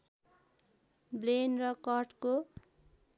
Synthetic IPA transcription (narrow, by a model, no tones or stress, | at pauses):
blenrʌkʌrʈko